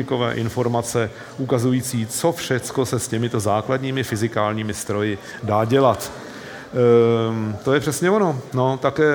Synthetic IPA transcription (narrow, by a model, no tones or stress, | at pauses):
ɪko̞vɛ̰ːʔɪnfo̞ɾmat͡sɛ | ʔukazujiːt͡siːt͡so̞fʃɛt͡sko̞sɛscɛmɪt̪o̞zaːkladɲiːmɪfɪzɪkaːlɲiːmɪst̪ɾo̞jɪ | daːɟɛlat̪ | t̪ojɛpr̝̥ɛsɲɛvono̞no̞t̪akɛː